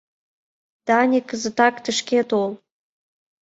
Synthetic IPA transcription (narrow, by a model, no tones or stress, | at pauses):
d̪̥ɑnʲikːəzə̆t̪ɑkt̪əʃket̪olˠ